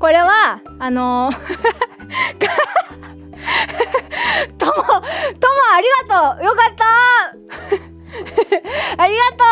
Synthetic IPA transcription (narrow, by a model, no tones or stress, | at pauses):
ko̞ɾe̞βaː | no | t̪ | t̪omot̪omoaɾʲiɡat̪ojokat̪ːa | aɾʲiɡat̪o